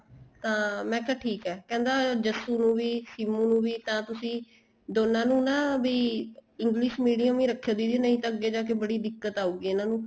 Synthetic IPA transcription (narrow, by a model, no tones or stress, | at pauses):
t̪ãːmɛ̃ːkaːʈʰiːkɛːkɛ̃ːnd̪aːd͡ʒəsuːnũːʋiːsiːmũːnũːʋiːt̪ãːt̪ʊsĩː | d̪oːnãːnũːnaːbiːɪŋɡliːʃmiːɖijəmʋiːɾəkʰːjãːd̪iːd̪eːnəĩːt̪ãːəɡeːd͡ʒãːk̬ebəɽiːd̪ɪkːət̪aːuːɡiːɪnãːnũː